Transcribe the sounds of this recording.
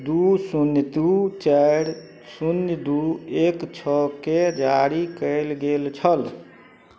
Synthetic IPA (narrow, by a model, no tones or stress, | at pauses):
d̪usunjət̪ut͡ʃəjɾ | sunjəd̪uekt͡ʃʰɔked͡ʒaɾikəɪlɡelt͡ʃʰəl